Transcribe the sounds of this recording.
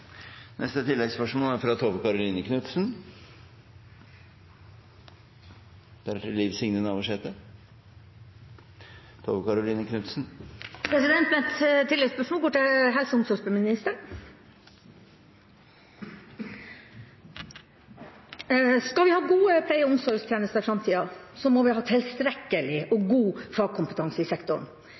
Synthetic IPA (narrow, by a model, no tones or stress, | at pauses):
nʔɛ̰st̪ət̪ʰɪlːɛɡspœʂmoːlæɾfɾɑt̪ʰoʋəkɑɾʊliːnəkʰnʉt̪sn̩ | d̪̥æɾæʈʰɪlːiːʋsɪŋnənɑːʋəʂeːt̪ə | t̪ʰoːʋəkɑɾʊliːnəkʰnʉt̪sn̩pʰɾɛsɪd̪ɛnt̪mɛɛt̪t̪ʰɪlɛɡspœʂmoːlɡoːʈɪɦɛlsəʊmsɔɾʂbəmɪnɪst̪əɾ | skɑlʋɪhɑːɡuːəpʰlæɪəʊmsɔɾst̪ʰjeːnəst̪əɾfɾɑmt̪ʰiːɑsɔmɔʋɪɦɑːt̪ʰɪlst̪ɾɛkːəlɪɔɡuːfɑːɡ̚kʰʊmpət̪ʰɑŋsəɪsɛkt̪ɔɳ